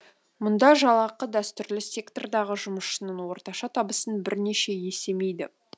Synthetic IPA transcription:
mʊnd̪ɑʒɑlˠɑqəd̪æst̪ʏɾlɪsʲe̞kt̪ord̪ɑʁəʒʊməʃənəɴwo̞ɾt̪ɑʃɑt̪ʰɑbəsənbɪɾne̞ʃe̞je̞se̞me̞jd̪ɪ

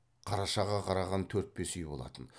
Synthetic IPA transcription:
qʰɑɾɑʃɑʁɑqʰɑɾɑʁɑnt̪ʰɵɾt̪̚be̞sʏjbo̞lˠɑ̰t̪ən

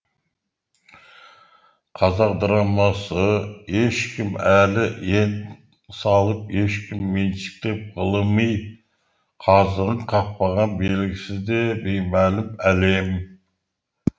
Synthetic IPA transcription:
qʰɑzɑq̚d̪ɨɾɑmɑsəheʃkʲʰɪmælɪen | sɑlˠəpheʃkʲʰɪmːenʃɪ̥k̚t̪ep̚ʁəlˠɨmɯj | qʰɑzənəɴqʰɑq̚pɑʁɑnbelɡʲɪsɪzd̪ebejmælɪmælem

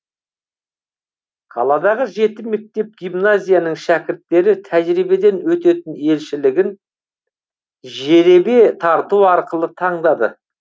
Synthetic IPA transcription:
qʰɑ̰lˠɑd̪ɑʁəʒe̞t̪ɪmɪk̚t̪e̞p̚ɡʲijmnazʲijanəɴʃækʲɪɾt̪ːe̞ɾɪt̪ʰæʒɾibe̞d̪e̞nwɵt̪e̞t̪ɪne̞lʃɪlɪɡʲɪn | ʒe̞ɾe̞be̞t̪ʰɑɾt̪uɑɾqəlˠət̪ʰɑɴd̪ɑd̪ə̰

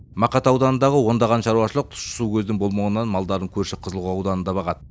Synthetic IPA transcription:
mɑqɑt̪ɑwd̪ɑnənd̪ɑʁəwo̞nd̪ɑʁɑnʃɑɾuwɑʃəlˠəq̚t̪ʰʊ̥ʃʊ̥sukʲʰɵzd̪ɪŋbo̞lˠmɑʁənːɑnmɑlˠd̪ɑɾd̪əɴŋkʲʰɵɾʃɪqʰəzəlˠʁuɑwd̪ɑnənd̪ɑbɑʁɑd̪ə

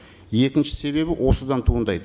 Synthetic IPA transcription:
je̞kʲɪnʃɪ̥se̞βe̞bɪwʔo̞səd̪ɑnt̪ʰuːənd̪ɑjd̪ə

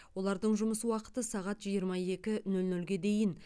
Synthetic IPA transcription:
wo̞lˠɑɾd̪əɴʒʊməsəwɑqə̥t̪əsɑʁɑt̪ʒijəɾmɑe̞kʲɪnɵlnɵlɡʲe̞d̪e̞jɪn

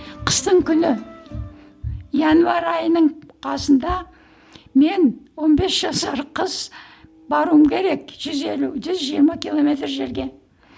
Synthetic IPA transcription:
qʰə̥st̪əɴkʲʰʏnɪ | ijɑnuvɑɾɑjənəɴqʰɑsənd̪ɑ | me̞nwo̞nbe̞sʒ̥ɑsɑɾqʰəz̥ | bɑɾuəmkʲʰe̞ɾe̞kʒ̥ʏze̞luʒʏzʒijəɾmɑkʲilˠo̞mʲe̞t̪rʒe̞ɾɡʲe̞

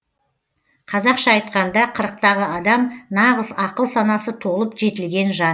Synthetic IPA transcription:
qʰɑzɑqʃɑːjt̪̚qɑnd̪ɑqʰəɾəq̚t̪ɑʁəɑd̪ɑmnɑʁəzɑqəlˠsɑnɑsət̪ʰo̞lˠəpʒe̞t̪ɪlɡʲe̞nʒɑn

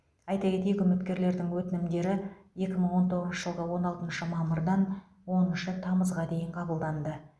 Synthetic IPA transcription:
ɑjt̪ɑkʲe̞t̪ejkʲʏmɪt̪kʲe̞ɾle̞ɾd̪ɪŋwɵt̪ɪnɪmd̪e̞ɾɪje̞kʲɪməɴwo̞nt̪ʰo̞ʁəzʃəʒ̥əlˠʁəwo̞nɑlˠt̪ənʃəmɑməɾd̪ɑn | wo̞nəʃət̪ʰɑməzʁɑd̪e̞jɪɴqʰɑbəlˠd̪ɑnd̪ə

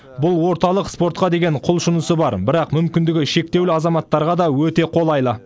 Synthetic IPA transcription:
bʊlˠwo̞ɾt̪ɑlˠəqspo̞ɾt̪̚qɑd̪e̞ɡʲe̞ɴqʰʊlˠʃʊnəsəbɑɾbɪɾɑqmʏmkʲɪnd̪ɪɡʲɪʃe̞k̚t̪e̞wlɪɑzɑmɑt̪ːɑɾʁɑd̪ɑwɵt̪e̞qʰo̞lˠɑjlˠə

